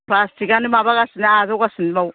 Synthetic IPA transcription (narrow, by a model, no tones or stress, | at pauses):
plastikanimaβaɡasinazowɡasinimaw